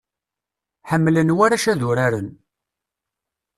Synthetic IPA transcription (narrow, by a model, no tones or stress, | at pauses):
ħəmːlənwaɾaʃæðʊɾaɾən